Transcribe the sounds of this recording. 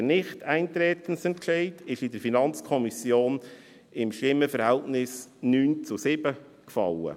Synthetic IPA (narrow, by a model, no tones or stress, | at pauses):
nɪχtæɪnt̪ɾɛːt̪ən̩sɛnt̚kʃɛɪtɪʃɪdəɾfinɑnt͡skʰɔmisjoːn | ɪmʃtɪmːəfəɾhɛltnɪsnyːnt͡sʊsɪb̥ə | kfɑ̰lə̰